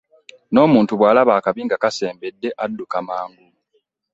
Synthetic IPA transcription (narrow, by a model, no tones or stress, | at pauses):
no̞ːmuːntuβwaːlaβaːkaβiːŋɡakase̞ːmbe̞dːe̞ʔadːukamaːŋɡu